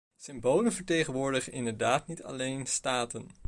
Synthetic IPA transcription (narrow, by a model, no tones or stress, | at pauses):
sɪmbowlənvəɹtejχənʋʊːɹdəχənɪndəɹdaːtnitʰɑ̰lejnstaːtən